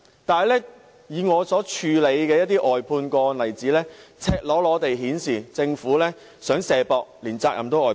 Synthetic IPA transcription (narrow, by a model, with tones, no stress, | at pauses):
t̪aː˨jlɛː˥ | jiː˨˧ŋɔː˨˧sɔː˨˥t͡ʃʰyː˨˧le˨˧jkɛː˧jɐ˥t̚t̪iː˥ʔɔː˨jpʰuː˧nkɔː˧nɐ˨˩jt͡siː˨˥lɛː˥t͡sʰɛː˧k̚lɔː˨˥lɔː˨˧t̪e˨jɦiː˨˥nsiː˨˩t͡sɪ˧ŋfuː˨˥lɛː˥ | sœː˨˥ŋsɛː˨˩pɔː˨˧k̚liː˨˩nt͡saː˧k̚jɐ˨˩mt̪o˨˥wɔː˨˩